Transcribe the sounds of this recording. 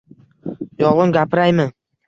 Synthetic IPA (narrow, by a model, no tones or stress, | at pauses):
jɒʁʊmɡʲapɪɾajmɪ